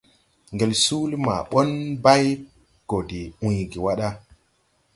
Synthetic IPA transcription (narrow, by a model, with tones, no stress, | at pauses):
ŋɡe˨lsu˦li˦ma̰˨ɓo˦nba˦j | ɡ̥o˨di˨ũ˨jɡi˨wa˦ɗa˦